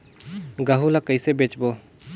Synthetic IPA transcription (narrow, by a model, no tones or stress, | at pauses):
ɡəɦulakəjsebet͡ʃbo